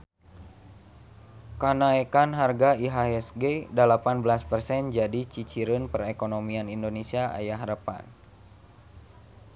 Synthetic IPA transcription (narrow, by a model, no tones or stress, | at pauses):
kanaekanɦarɡaiɦaɛsɡedəlapanblaspərsɛnd͡ʒadit͡ʃit͡ʃiɾʊnpərekonomianindonesiaʔa̰jaɦɾəpa̰n